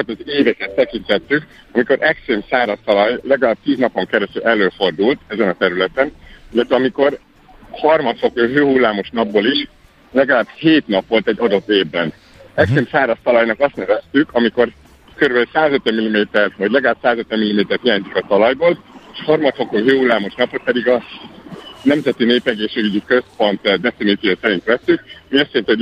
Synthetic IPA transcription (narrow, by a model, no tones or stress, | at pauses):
ɛt̪ɒzeːvɛkɛt̪ːɛkint̪ɛt̪ːyk | ɒmiko̞ɾʔɛkseːmsaːɾɒst̪ɒlɒjlɛɡɒlaːb̚t̪iːznɒpoŋkɛɾɛst̪ylʔɛlːøːfo̞rd̪ult̪ɛzɛnɒt̪ɛɾylɛt̪ɛnilːɛt̪ʋɛɒmiko̞r | hɒrmɒt̪sho̞køːɦøːhulːaːmo̞ʃnɒbːoːliʃ | lɛɡɒlaːbheːt̪nɒpʋo̞lt̪ɛɟːɒd̪o̞t̪ːeːvbːɛn | ɛkseːmsaːɾɒst̪ɒlɒjnɒkɒst̪nɛvɛst̪ykʰɒmiko̞r | køɾybølsaːzøt̪ʋɛmilːimeːt̪ɛrvɒɟlɛɡɒlaːb̥saːzøt̪ʋɛmilːimeːt̪ɛrhijaːɲzikɒt̪ɒlɒjboːleʃhɒrmɒt̪fo̞koːɦøːhulːaːmoʃnɒpːot̪pɛd̪iɡɒ | nɛmzɛt̪ineːpɛɡeːʃeːɡyɟikø̞spo̞nt̪d̪ɛfiniːt̪ijoːsɛɾint̪ʋɛsːykmiøst̪ent̪ɛo